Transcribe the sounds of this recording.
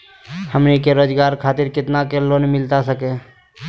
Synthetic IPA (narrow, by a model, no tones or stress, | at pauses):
həmnikeɾoːd͡ʒɡaːɾkʰaːt̪ɪɾkɪt̪nakeloːnmɪlt̪asəkẽ